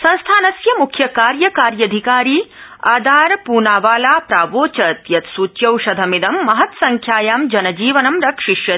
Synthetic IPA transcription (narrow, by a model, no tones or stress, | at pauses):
sɐ̃ñst̪ʰaːnɐsjɐmukʰjɐkaːɾjɐkaːɾjɐd̪ʱikaːɾiːaːd̪ʱaːɾpuːnaːʋaːlaːpɾaːʋoːt͡ʃɐt̪jɐt̪suːt͡ʃjɐwʃɐd̪ʱɐmid̪ɐmːɐɦɐt̪sɐŋkʰjaːjaːmd͡ʒɐnɐd͡ʒiːʋɐnɐmɾɐkʂiʃjɐ